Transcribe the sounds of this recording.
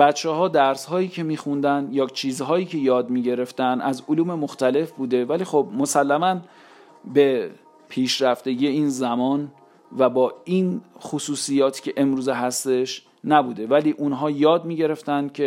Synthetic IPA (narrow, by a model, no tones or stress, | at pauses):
b̥æt̪t͡ʃʰːeɦɒːd̪æɾshɒːjiːcʰe̞miːxund̪ænjɒːt͡ʃʰiːzɦɒːjiːcʰe̞jɒːd̪miːɟe̞ɾe̞ft̪ænæzoluːme̞moxt̪æle̞fbuːd̪e̞væliːxob̚mo̞sælːæmæn | be̞ | pʰiːʃɾæft̪e̞ɟiːeiːnzæmɒːn | væbɒːinχosuːsijɒːt̪ʰi̥ːcʰe̞ʔe̞mɾuːzeɦæst̪e̞ʃ | næbuːd̪e̞væliːʔunɦɒːjɒːd̪̚miːɟe̞ɾe̞ft̪ænd̪̥̚cʲʰe̞